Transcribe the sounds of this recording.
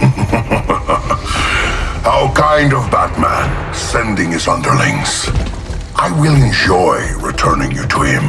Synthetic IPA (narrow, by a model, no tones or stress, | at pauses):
haʊkʰãɪ̃ndʌvbæt̚mæ̰̃n | sɛ̃ndɪ̃ŋɨzʌ̃ndə˞lɪ̰̃ŋs | ʔaɪwɪlˠɨ̃nd͡ʒɔɪɹɨtʰɜ̃˞nɪ̃ŋjɨɾʰɨɪ̰̃m